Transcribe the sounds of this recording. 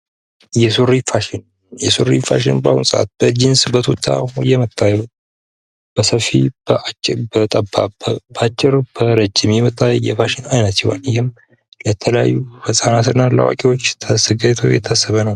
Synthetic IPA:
jɛsoɾifaʃɪn | jɛsoɾifaʃ̬ɪnbawunsʼəʔa̰t̪̚b̥əd͡ʒɪnsbət̪ʰot̪ʰːa̰jɛmət̪ːajɛbut̪ | b̥əsəfːḭbət͡ʃbət̪ʼəbːabat͡ʃʼːɪɾb̥əɾəd͡ʒːɪmjɛmət̪ʼajɛ̰faʃɪnajnət̪t͡ʃɛwa̰nhɪm | jɛt̪ʰələja̰jːufəsʼanat̪ɨnːala̰wa̰kʼewo̞t͡ʃːt̪ʰəsəɡat̪ʰowjɛ̰t̪ʰːasːəβənəw

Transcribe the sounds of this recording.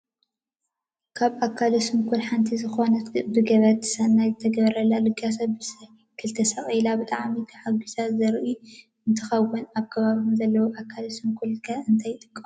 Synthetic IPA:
kʰaβakʰːalosɨmkʰulħant̪ʰizɨxonɐt̪ɡɨd̪uɡɐβɐt̪ʰːɨ̥sanajzɨt̪ʰɐɡɐβɾɐlːalɨɡasɐbɨsɐ | kʰɨlt̪ʰɐsɐχʼlabɨt̪ʼaʕmik̪ʰaħaɡuʃazɐɾʔi | ɨnt̪ʰɨxɐwːʊnaβkʰɐβaβumzɐlːɐwoʔakʰːalɐsɨmkʰulkʰaɨnt̪ʰajt̪ʼɨ̥kʼː

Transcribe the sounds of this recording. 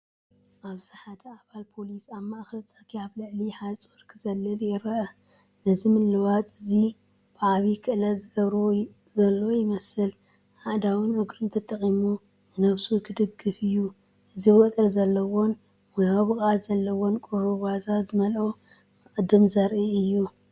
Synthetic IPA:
ʔaβziħad̪ɐaβalpʰo̞lisaβmaʔxlɐt͡sʼɐkʰijaβlɨʕliħat͡sʼoɾkʰɨzɐlːɐljɛɾɐʔɐ | nɐzimɨlːɨwat̪ʼɨzi | b̥ɨʕaβikʰɨʔlɐzɨɡɐβɾo | zɐlːo̞jɪmɐsɨl | ħad̪awɨnʊɡɾɨnt̪ʰɐt̪ʼɐχʼimu | ɨnɐβsukʰɨd̪ɨɡːɨfɨjːu | ʔɨziwɐt̪ʼɨɾzɐlːɐwo̞n | wɔjaβɨkʼazɐlːɐwo̞nkʼuɾuwazazɨmɐlʔo | ɨkʼɨd̪ɨmzɐɾʔiɨjːu

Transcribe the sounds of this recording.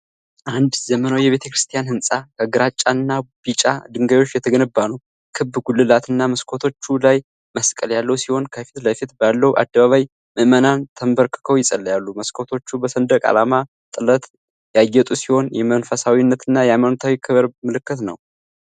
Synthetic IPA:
ʔand̪zəmənawjɛβe̞t̪ʰəkɾɨst̪ʰijanhɨnsʼakʰəɡɨɾat͡ʃʼːanːabit͡ʃʼad̪ɨŋɡajwot͡ʃːjɛt̪ʰəɡənɨbːanəw | kʰɨbːɡulːɨlat̪ʰɨnːaməskʰo̞t̪ʰo̞t͡ʃːulaj | məskʼəljalːəwsiho̞nkʰəfi̥t̪ləfit̪balːəwuʔa̰d̪ːəβaβaj | məʔmənant̪ʰəmbəɾkʰɨ̥kʰəwjɪsʼəlːjalːuməskʰo̞t̪ʰo̞t͡ʃːubəsənd̪əkʼa̰lama | t̪ʼɨlət̪ | jajːɛt̪ʼusiho̞njɛmənfəsawinːət̪ɨnːajɛajmanot̪ʰawikʰɨβɾmɨlɨkːɨt̪nə̰w

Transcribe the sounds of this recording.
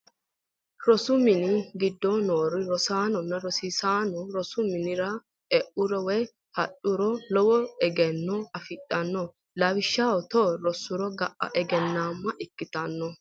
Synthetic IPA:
ɾɔsʊmɪnɪɡɪd̪ːɔnoːɾɪɾɔsaːnɔnːɐɾɔsisaːnɔɾɔsʊmɪnɪɾɐ | ɛʔʊɾɔwɔj | hɐɗʊɾɔlɔwɔɛɡɛnːɔɐfɪtːɐnːɔ | lɐwɪʃːaɔt̪ɔɾɔsːʊɾɔɡɐʔɐ̰ʔɛɡɛnːaːmːɐʔɪkːɪt̪ɐnːɔ

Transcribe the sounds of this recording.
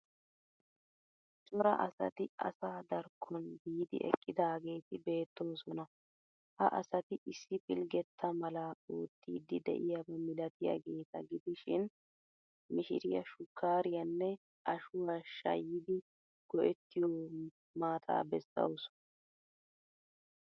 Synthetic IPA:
t͡ʃʼɔɾɐ̰ʔɐsɐ̰t̪ɪʔɐ̰saːd̪ɐɾkʰːɔnbiːd̪ɪ̰ʔɛ̰kʼːɪd̪aːɡe̞ːt̪ɪbe̞ːt̪ːo̞ːsɔnɐ | hɐ̰ʔɐ̰sɐt̪ɪʔɪsːɪpʼɪlɡɛt̪ʰːɐmɐlɐoːt̪ːiːd̪ɪd̪ɛ̰ʔɪjabɐmɪlɐt̪ɪja̰ːɡe̞ːt̪ɐɡɪd̪ɪʃɪn | mɪʃɪ̰ɾɪjɐʃʊkːaːɾɪjɐnːɛ | ʔɐʃʊwaʃɐ̰jːɪd̪ɪ | ɡ̥ɔʔɛt̪ːɪjɔ | maːt̪ʼa̰ːbɛsːɐ̰ws

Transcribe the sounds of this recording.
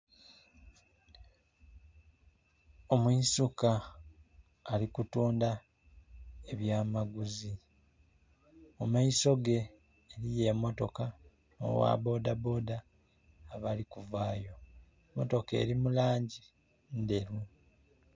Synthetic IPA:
o̞mwisuka | likutuːnda | eβjaːmaɡuzi | mumaiso̞ɡe̞ː | ɾije̞mo̞to̞ka | no̰wa̰bo̞ːdabo̞ːdaː | βalikuvaːjo̞ | mo̞to̞ke̞̰ːɾimulaːɲɟi | nde̞ɾu

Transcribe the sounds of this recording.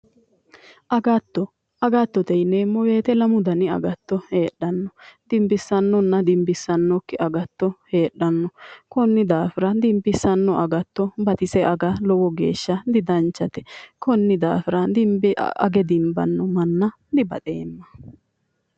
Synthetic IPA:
ʔɐɡɐt̪ːɔ | ɐɡɐt̪ːɔt̪ɛjneːmɔwe̞ːt̪ɛlɐmʊd̪ɐnɪɐ̰ɡɐt̪ːɔheːɗːɐnːɔd̪ɪmbɪsːɐnːɔnːɐd̪ɪmbɪsːɐnːɔkːɪʔɐɡɐt̪ːɔheːɗːɐnːɔkɔnːɪd̪aːfɪɾɐd̪ɪmbɪsːɐnːɔʔɐɡɐt̪ːɔbɐt̪ɪsɛʔɐɡɐlɔwɔɡḛːʃːɐd̪ɪd̪ɐnt͡ʃːɐt̪ɛ̥kɔnːɪd̪a̰ːfɪɾɐd̪ɪmbɪ̰ɐ̰ɡɛd̪ɪmbɐ̰nːɔmɐnːɐ | d̪ɪbɐ̰t̪ḛːmːɐ̥

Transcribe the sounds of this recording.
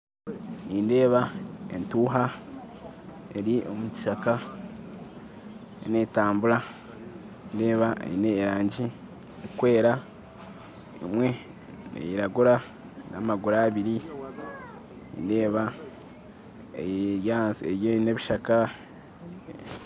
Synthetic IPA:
niːnde̞ːβae̞ntuːɦa | e̞ɾiʔomuci̥ʃaka | ḛne̞ːtaːmbuɾa | ninde̞ːβaḛineːɾaːɲɟi | ikwe̞ːɾa | ḭmwe̞ | nḛjiɾaɡuɾa | na̰maɡuɾaːβiɾi | nḭnde̞ːβa | ejɾjaːnsejeine̞βiʃaka

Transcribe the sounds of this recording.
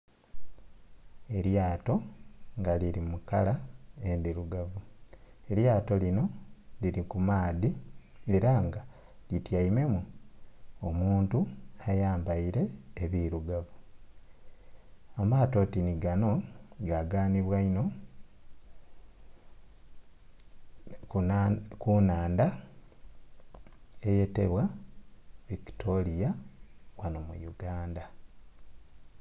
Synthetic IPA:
e̞ɾjaːto̞ŋɡaliɾimukalaendiɾuɡavue̞ɾjaːto̞lino̞liɾikumaːðieɾaŋɡa | litjaime̞mu | omuːntuajaːmbaiɾe̞ːβiɾuɡavu | amaːto̞ːtiniɡano̞ɡaɡaːniβwaino̞ | kunaːnda | e̞je̞te̞̰βwa | βiktʰo̞lijawanomṵjuɡaːnda

